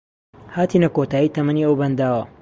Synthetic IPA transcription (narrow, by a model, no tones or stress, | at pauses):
haːt̪inɐkot̪aːjit̪ʰɐmɐniɐwbɐnd̪aːwɐ